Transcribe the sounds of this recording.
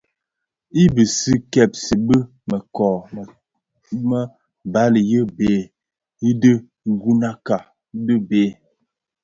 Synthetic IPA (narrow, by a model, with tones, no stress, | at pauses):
i˦bə˨si˦kɛ˦˨p̚si˨bə˦ | mə˨kɔː˨ | mə˦ | ba˦li˨jə˦beː˨˦˨ | i˦də˦ | ŋ̩˦˨ɡu˦na˦ka˨˦ | də˦beː˦